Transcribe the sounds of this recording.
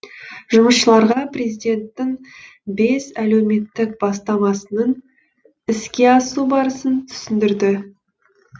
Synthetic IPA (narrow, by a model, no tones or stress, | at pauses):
ʒʊməsʃəlˠɑɾʁɑprezijd̪ʲe̞nt̪ːɪŋ | be̞sæle̞wme̞t̪ːɪk̚bɑst̪ɑmɑsənən | ɪskʲe̞ɑsubɑɾəsənt̪ʰʏ̥sɪnd̪ɪɾd̪ɪ